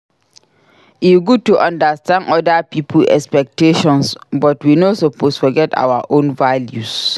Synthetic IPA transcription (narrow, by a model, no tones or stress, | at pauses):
iɡud̚tʰuʔãndastʰæ̃ndɔdapʰipʰəlɛ̰kspɛk̚tʰeʃɔ̃nsbɔtwinosopʰosfɔɡɛta̰waʔõnvaljus